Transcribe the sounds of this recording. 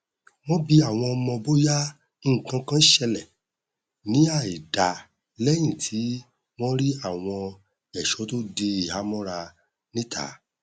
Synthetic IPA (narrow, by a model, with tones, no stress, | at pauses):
w̃ɔ̃˦bi˧a˦˨w̃ɔ̃˧ɔ˧mɔ̃˧bo˦jã˦ | ŋ̩˨kã˧˦kã˦ʃɛ˧lɛ˨ | nĩ˨˦a˦˨i˨da˨ | lɛ˦j̃ĩ˦˨tʰi˨˦ | w̃ɔ̃˦ɾi˦a˦˨w̃ɔ̃˧ | ɛ˨ʃɔ˨˦to˦de˧i˨ha˨˦mɔ̃˦ɾa˧ | nĩ˦tʰa̰˨˦